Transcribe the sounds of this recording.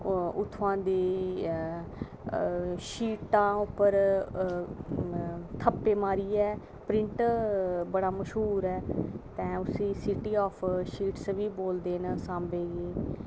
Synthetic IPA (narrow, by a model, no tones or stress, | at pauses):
ʊt̪ʰːʋãːd̪eː | ʃiːʈãːʊpːəɾ | t̪ʰəpːeːmaːɾiːɛː | pɾɪɳʈ | bəɽaːməʃɦuːɾɛːt̪ɛ̃ːʊsĩːsiʈiːɔːpʰʃiːʈsʋiːboːld̪eːnəsãːmbeːɡeː